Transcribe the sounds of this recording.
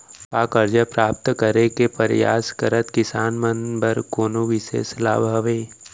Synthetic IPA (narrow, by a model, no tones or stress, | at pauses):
paːkəɾd͡ʒəpɾaːp̚t̪kəɾekepəɾja̰ːskəɾət̪kɪsaːnmənbəɾkoːnoʋɪʃḛːsla̰ːbʱəʋeː